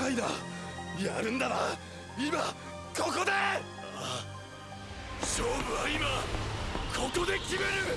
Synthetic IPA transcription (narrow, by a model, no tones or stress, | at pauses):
aid̪a̰ | jaɾɯ̟̃nd̪aɾa | ima | ko̞ko̞d̪e̞ | ɕoːbɯ̟aima | ko̞kod̪e̞kʲime̞ɾɯ